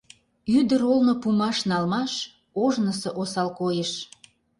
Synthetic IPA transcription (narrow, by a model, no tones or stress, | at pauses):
yd̪əɾolnopumɑʃnɑlmɑʃ | oʒnəsɤʔosɑlkojeʃ